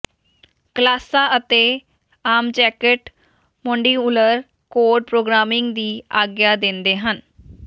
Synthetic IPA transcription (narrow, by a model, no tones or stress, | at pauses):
kəlaːsaːʔət̪eː | aːmd͡ʒɛːkəʈ | mɔ̃ːɳɖiːʊləɾ | koːɾɖ̚pɾoːɡɾaːmɪ̃ŋɡd̪iːaːɡjaːd̪ɪ̃nd̪eːɦən